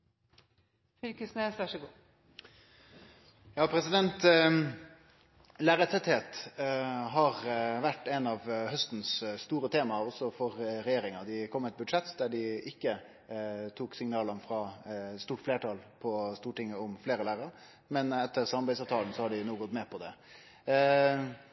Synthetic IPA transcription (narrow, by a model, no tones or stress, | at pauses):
fɪlkəsneːsʋæʂəɡuː | jɑːpʰɾɛsɪd̪ɛnt̪ | læːɾət̪sɛt̪heːt̪ | ɦɑʁʋæʈːɛnɑʋhœst̪n̩sst̪uːɾət̪ʰeːmɑɔsɔfɔʁɾɛjeːɾɪŋɑd̪ɪkʰɔmːɛt̪̚bʉd̪ʂɛt̪ːd̪æɖɪɪkːə | t̪ʰuːksɪŋnɑːlɑnfɾɑːst̪uːʈfleːʈɑːlpʰɔst̪uːʈɪŋːəʊmfleːɾəlæːɾəɾ | mɛnɛt̪ːəʁsɑmɑbæɪsɑːʋt̪ʰɑːln̩sɔhɑɖɪnuːɡɔt̪mɛpʰɔd̪ɛ̰